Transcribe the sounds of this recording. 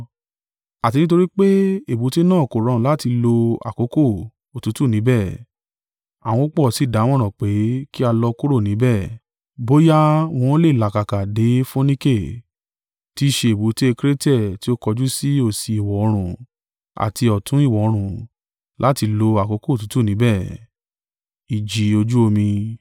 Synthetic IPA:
a˨ti˧nĩ˦t̬o˧ɾi˦k͡pe˦e˦˨bu˨˦te˦nãː˦˨ko˨ɾ̃ɔ̃˨la˦ti˧lo˧a̰˨ko˨˦ko˦˨ | o˨tu˨˦tu˦˨nĩ˨˦bɛ˦˨ | a˨w̃ɔ̃˧o˦k͡pɔ˦˨si˨˦˨da˨˦w̃ɔ̃˦ɾ̃ɔ̃˨k͡pe˨˦ki˦a˧lɔ˧ku˦ɾo˦˨nĩ˨˦bɛ˦˨ | bo˦ja˦w̃ɔ̃˧˦le˦˨la˨ka˨ka˨de˨˦fo˦nĩ˦ke˦˨ | ti˦ʃe˧e˨bu˨˦te˦e˧kɾe˦tɛ˦˨ti˦o˦kɔ˧d͡ʒu˦si˦o˦˨si˨˧i˨wɔ˨o˨˧ɾ̃ũ˨ | a̰˨ti˧ɔ˨tʰũ˨˦i˦˨wɔ˨o˨˧ɾ̃ũ˨ | lʔa˦ti˧lo˧a˨ko˨˦ko˦˨tu˨˦tu˦˨nĩ˨˦bɛ˦˨ | i˨d͡ʒi˨o˧d͡ʒu˦o˧mĩ˧

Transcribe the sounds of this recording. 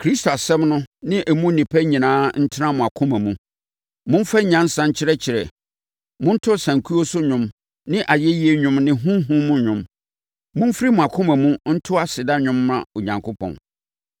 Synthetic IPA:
kʰɾi˦sto˨a˨sɛ̃˦mnʊ̃˦nɪ̃˦ʔæ˨mũ˦nĩ˨pʰæ˦ɲĩ˨nãː˨˦n̩˦tʰɪ˦nã˦mʊ̃˨a˨kʰʊ̃˦mæ̃˨mũ˦ | mʊ̃˦m˦fa˦ɲã˦n̩˦sã˦ɲ̩˦t͡ɕʰɪ˦ɾɛ˦t͡ɕʰɪ˨ɾɛ̰˨ | mʊ̃˦n̩˦tʰʊ˦˨sã˨ŋ˨kʰu˦o˦sʊ˦ɲʊ̃˦m | nɪ̃˦ʔa˨jɛ˦ji˦e˦ɲʊ̃˦mnɪ̃˦ɦũ˦ɦũ˦mũ˦ɲʊ̃˨m | mʊ̃˦m˦fɾi˦mʊ̃˨a˨kʰʊ̃˦mæ̃˨mũ˦n̩˦tʰʊ˦a˦sɪ˨da˦ɲʊ̃˦mːã̰˨o˨ɲã˨ŋkʰʊ˦pʰɔ̰̃˨n

